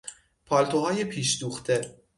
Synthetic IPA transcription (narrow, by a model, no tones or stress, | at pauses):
pʰɒːlt̪ʰoɦɒːjepʰiːʃd̪uːxt̪ʰe